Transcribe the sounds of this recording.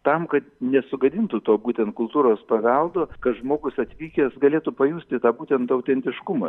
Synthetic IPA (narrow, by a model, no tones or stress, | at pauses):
t̪ɐmkɐt̪nʲɛsʊɡɐd̪ʲɪnt̪ʊt̪oːbuːt̪ʲɛnt̪̚kʊlˠt̪uːɾoːspɐʋʲɛlˠd̪oːkɐt̪ʒmoːɡʊsɐt̪ʲʋʲiːkʲɛsɡɐlʲeːt̪upɐjuːsʲt̪ʲɪt̪ɑːbuːt̪ʲɛnt̪ɐʊt̪ʲɛnʲt̪ʲɪʃkʊmɐ